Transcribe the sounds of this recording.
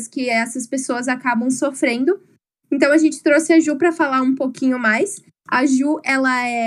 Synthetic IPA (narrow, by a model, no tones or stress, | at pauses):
skɪɛsɐspesoɐzakabɐ̃w̃sofɾẽnd̪ʊ | ẽnt̪ɐ̃w̃ɐʒẽnt͡ʃɪ̥t̪ɾosɪɐʒupɾɐfalaũpokĩɲʊmajs | aʒuɛlɐɛ